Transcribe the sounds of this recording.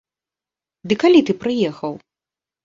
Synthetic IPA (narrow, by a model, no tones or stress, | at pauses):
d̪ɨkalʲit̪ɨpɾɨjɛxɐw